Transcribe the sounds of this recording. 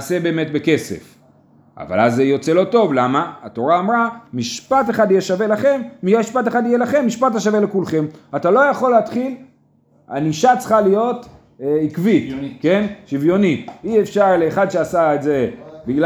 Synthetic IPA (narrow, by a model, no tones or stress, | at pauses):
sebe̞ːme̞t̚be̞ke̞se̞̰f | a̰va̰lazːejot͡selo̞to̞vlamaato̞ʁaːmʁamiʃpateχad̪ijɛʃave̞laχe̞mːijeiʃpat̬eχad̪ijelaχe̞mːiʃpataʃ̬avelekulχe̞matalo̞jaχo̞leːt̪χil | a̰niʃat͡sχalijo̞t | ikvike̞nʃivjo̞niiefʃaʁleːχad̪ʃeasaezebiɡl